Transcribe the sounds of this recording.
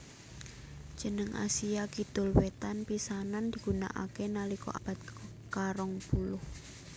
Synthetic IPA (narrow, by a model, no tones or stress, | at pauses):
d͡ʒ̥ə̤nəŋa̰siakid̪̥ʊlwet̪anpisanand̪̥i̤ɡ̥una̰ʔa̰kenalikɔ̰ʔab̥a̤t̪̚ | kaɾɔŋpulʊh